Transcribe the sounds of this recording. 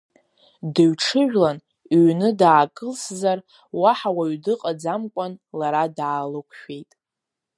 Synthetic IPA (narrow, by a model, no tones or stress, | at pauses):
dɨɥʈ͡ʂʰɨʒᶣlan | ɥnɨdaːkʼɨlszar | waħawaɥdɨqʼad͡zamkʷʼanlaɾadaːlɨkʷʰʼʃᶣe̞jtʼ